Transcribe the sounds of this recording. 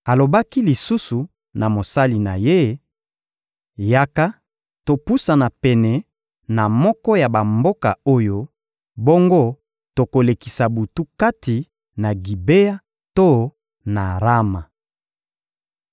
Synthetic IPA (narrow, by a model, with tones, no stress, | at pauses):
a˨lo˨ba˦ki˦li˨su˦su˨ | na˨mo˨sa˦li˨na˨je˦ | ja˦ka˦ | to˨pu˦sa˨na˨pɛ˨nɛ˨ | na˨mɔ˦kɔ˦ja˨ba˨mbo˦ka̰˨o˦jo˦ | bo˦ŋɡo˦ | to˨ko˨le˨ki˨sa˨bu˨tu˦ka˦ti˨ | na˨ɡi˨be˦a˦ | to˦ | na˨ʁa˦ma˨